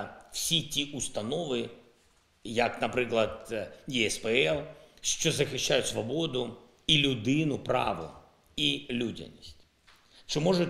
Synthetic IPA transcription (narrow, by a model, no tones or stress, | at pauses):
fsʲitʲiʔʊst̪ɐnɔʋɨ | jɐknɐpɾɪklˠɐd̪jiɛspɛɛlˠʃt͡ʃɔzɐxʲɪʃːajʊt̪ʲsʋɐbod̪ʊ | ilʲʊd̪ɪnʊpɾɑ̰ʋʊ̰ | ilʲudʲɪ̰nʲisʲtʲ | t͡ʃɪmɔʐʊtʲ